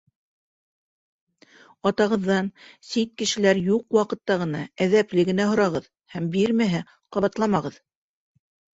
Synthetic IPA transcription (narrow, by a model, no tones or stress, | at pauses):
ɑt̪ɑʁɤ̆ðːɑnsit̪̚kɘ̆ʃɘ̆læɾjuqwɑqɤ̆t̪ːɑʁɤ̆nɑæðæplɘɡɘ̆næɦŏɾɑʁɤð | hæmbiɾmæɦɘ | qɑβɑt̪lˠɑmɑʁɤð